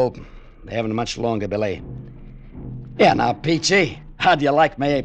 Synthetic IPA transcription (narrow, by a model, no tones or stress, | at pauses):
o | ðəhæṽn̩təmʌt͡ʃlɔ̃ŋɡə˞bɪli | jæna̰ʊpit͡ʃʰihadɨjəlaɪk̚mi